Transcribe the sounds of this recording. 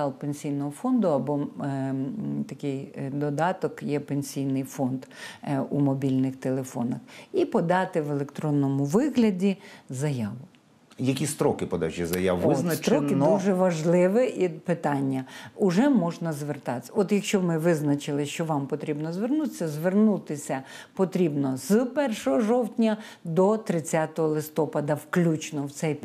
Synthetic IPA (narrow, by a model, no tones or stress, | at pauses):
ɑlˠpenʲsʲijnɔɦɔfɔnd̪ʊɐbɔ | t̪ɐkɪjd̪ɔd̪ɑt̪ɔkjɛpenʲsʲijnɪjfɔnd̪umɔbʲilʲnɪxt̪elˠefɔnɐxipɔd̪ɑt̪ɪʋelˠekt̪ɾɔnːɔmʊʋɪɦlʲɐdʲizɐjɑʋʊ | jɐkʲist̪ɾɔkɪpɔd̪a̰t͡ʃɪzɐjaʋɐt̪ɾɔkɪd̪uʒɛʋɐʒlˠɪʋɛʔipɪt̪ɑnʲːɐʊʒɛmɔʒnɐzʋert̪ɑsʲɔt̪jɐkʃt͡ʃɔmɪʋɪznɐt͡ʃɪlˠɪʃt͡ʃɔʋɑmpɔt̪ɾʲibnɔzʋernut̪sʲːɐzʋernut̪ɪsʲɐpɔt̪ɾʲibnɔzpɛrʃɔɦɔʒɔwtʲnʲɐ | d̪ɔt̪ɾɪt͡sʲːat̪ɔɦɔlˠɪst̪ɔpɐd̪ɐwklʲut͡ʃnɔwt̪sɛj